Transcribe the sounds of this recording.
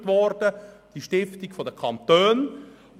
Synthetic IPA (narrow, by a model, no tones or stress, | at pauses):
tʋɔrd̥əd̥iʃtɪftikfɔdəkʰɑnt̪øːn